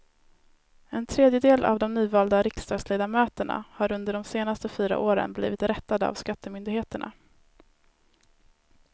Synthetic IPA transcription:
ɛnt̪ʰɾeːd̪jəd̪eːlʔa̰vd̪ɔmnyːvɑːld̪aɾɪkst̪ɑːɡ̪sleːd̪amœːt̪əɳa̰haɾɵnd̪əɖɔmseːnast̪əfyːɾa̰ʔoːɾə̰nblḭːvɪt̪ɾɛt̪ːad̪əa̰vskat̪ːəmʏnd̪ɪheːt̪əɳa̰

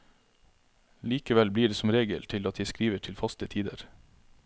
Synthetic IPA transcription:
liːkəʋɛlbliːɖeːsɔmɾeːɡə̰lt̪ʰɪlɑt̪̚d̪æɪskɾiːʋəʈʰɪlfɑst̪ət̪ʰiːd̪ə̰ɾ

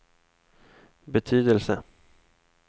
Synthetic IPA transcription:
bɛt̪ʰyːd̪əlsə

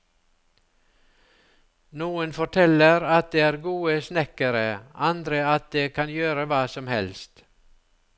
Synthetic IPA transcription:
nuːənfɔʈʰɛləɾɑt̪̚d̪eːæːɾɡuːəsnɛkəɾəɑnd̪ɾəɑt̪̚d̪eːkʰɑnjøːɾəʋɑːsɔmhɛ̰lst̪

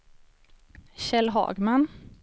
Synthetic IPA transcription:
ɕɛlɦɑ̰ːɡman

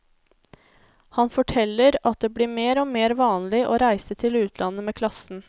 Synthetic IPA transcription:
hɑnfɔʈʰɛlːəɾɑt̪̚d̪eːbliːmeːɾoːmeːɾʋɑːnlɪʔoːɾæɪsət̪ʰɪlʉːt̪ʰlɑnəmeːkʰlɑsn̩

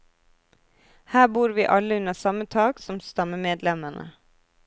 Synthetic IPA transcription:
hæːbuːɾʋiːʔɑləʉnəsɑmət̪ʰɑːɡsɔmst̪ɑməmeːd̪lɛməɳə̰

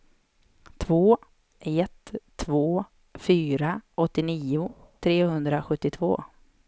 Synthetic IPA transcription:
t̪ʰvoː | ɛt̪ʰːvoː | fyːɾaʔɔt̪ːɪniːʊ | t̪ʰɾeːhɵnd̪ɾaɧɵt̪ːɪt̪ʰvo̰ː

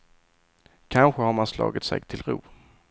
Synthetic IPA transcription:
kʰanɧəhaɾmanslɑ̰ːɡət̪sɛ̰ɡt̪ʰɪlɾuː

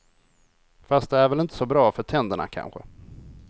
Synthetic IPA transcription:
fast̪̚d̪ɛæɾvɛlɪnt̪ə̥sɔbɾɑːfœʈʰɛnd̪əɳa̰kʰa̰nɧə̰

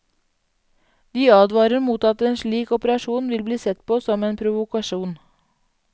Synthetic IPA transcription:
d̪iːɑːd̪ʋɑːɾəmuːt̪ɑt̪əeːnʃɭiːkɔpəɾɑʃuːnʋɪlbliːsɛt̪pʰoːsɔmeːnpʰɾʊʋʊkɑʃuːn

